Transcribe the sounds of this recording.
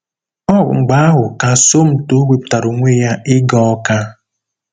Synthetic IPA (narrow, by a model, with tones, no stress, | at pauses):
ɔ̰˦˨ŋ͡m̩˨ɡ͡ba˨˦a˦ɦʊ˨ka˨so˦m̩˦to˦wʷe˨p̚ta˨ɾo˨ŋʷe˦ja˦ɪ˦ɡɔ˦ka˦